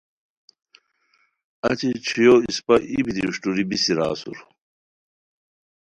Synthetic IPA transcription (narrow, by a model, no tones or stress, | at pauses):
ɐt͡ɕit͡ɕʰijoːiispɐʔibid̪iuɕʈuɾibisiɾa̰ːsṵɾ